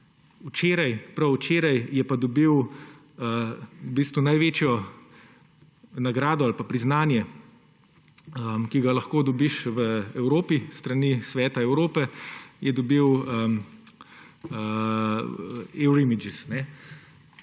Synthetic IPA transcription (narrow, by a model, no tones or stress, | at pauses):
ut͡ʃeːɾɐjpɾɐwt͡ʃeːɾajjɛpad̪ɔbiw | əbiːst̪ʋunajʋeːt͡ʃjɔ | naɡɾaːd̪ɔalpapɾiznaːnjɛ | əmkiɡalɐxkoːd̪ɔbiʃʋəɛwɾoːpist̪ɾɐnisʋɛːt̪aɛwɾoːpɛjɛd̪ɔbiwəm | ə | ɛwɾimid͡ʒisnɛ